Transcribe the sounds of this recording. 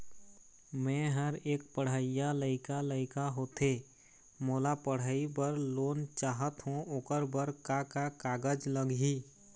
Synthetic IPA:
mɛ̃ɦəɾeːk̚pəɽ̤əɪjaləɪkaləɪkaɦoːt̪eː | moːlapəɽ̤əibəɾloːnt͡ʃaːɦət̪ɦũoːkəɾbəɾkakakaːɡəd͡ʒləɡɦiː

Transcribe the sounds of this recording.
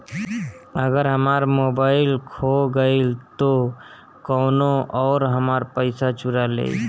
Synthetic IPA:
əɡəɾɦəmaɾmobaɪlkʰoɡəɪlt̪o | kɔːnoɔːɾɦəmaɾpəɪsat͡ʃuɾalḛi

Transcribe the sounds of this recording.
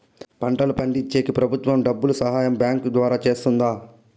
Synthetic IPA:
pɐɳʈɐlupɐɳɖiɲt͡ʃːeːkipɾɐbʱut̪ʋɐmɖɐbːulusɐɦaːjɐmbʲjaːŋkd̪ʋaːɾaːt͡ʃe̞ːst̪und̪aː

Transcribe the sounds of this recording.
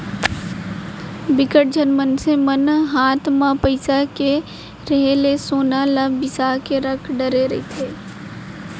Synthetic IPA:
bɪkəʈ̚d͡ʒəɾmənsemənɦaːt̪ʰmãpəɪsake | ɾəɦelesoːnalabɪsaːkeɾəkʰɖəɾeɾɐit̪ʰeː

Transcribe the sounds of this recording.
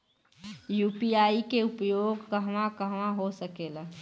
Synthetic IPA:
juːpiaːikeʊpjoːɡkəɦmakəɦʋãɦosəkeːla

